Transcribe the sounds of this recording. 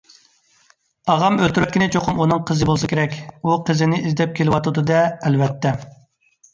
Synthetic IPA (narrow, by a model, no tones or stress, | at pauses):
ɑʁɑmølt̪yɾyɾkʲinɪt͡ʃʰoqʰʊmunɨŋqʰəzɨbolˠs̬ɨkʲeɾɛkʲuqʰəzɪnɪizd̪ɛp̚kʲʰelɪwɑt̪ud̪ɨd̪ɛːlvɛt̪ʰːɛ